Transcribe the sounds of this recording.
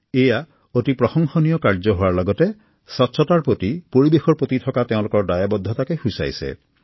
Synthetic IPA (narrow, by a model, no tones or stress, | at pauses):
eja | otipɾɔhɔŋxɔnijɔkaɾd͡ʒɔɦowaɾlɔɡɔte | sɔtːsʰɔtaɾpɾot̪ipɔɾibexʰɔɾpot̪it̪ʰɔkat̪eũlokɔɾdajabɔd̪ʱːɔt̪akehusa̰jsḛ